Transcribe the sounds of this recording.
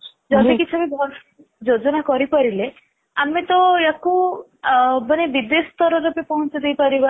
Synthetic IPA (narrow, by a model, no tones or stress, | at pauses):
d͡ʒɔd̪ikit͡ʃʰuamebʱɔ | d͡ʒod͡ʒɔnakɔɾipɔɾile | amet̪ɔeku | bənebid̪esɔ̥t̪ɔɾɔɾepepɔɦɔ̃t͡ʃɔd̪ejpaɾiba